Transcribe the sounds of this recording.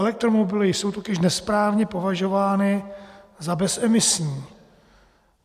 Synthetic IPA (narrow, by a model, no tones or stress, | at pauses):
ɛlɛk̚t̪ɾomobɪlɪjso̞wt̪o̞cɪʃnɛspɾaːvɲɛpo̞vaʒo̞vaːnɪzabɛsɛmɪsɲiː